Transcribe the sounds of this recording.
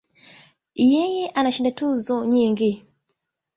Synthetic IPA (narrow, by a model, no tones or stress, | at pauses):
jɛjɛʔanaʃindatuzɔɲiŋɡi